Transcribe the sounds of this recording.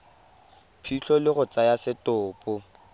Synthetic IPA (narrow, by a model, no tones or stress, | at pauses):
pʰiɬɔlɪɣʊt͡sajasɪtʼʊːpʼʊ